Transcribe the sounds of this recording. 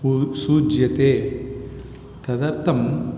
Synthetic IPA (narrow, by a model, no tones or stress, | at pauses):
suːd͡ʒjɐt̪eː | t̪ɐd̪ɐɾt̪ɐm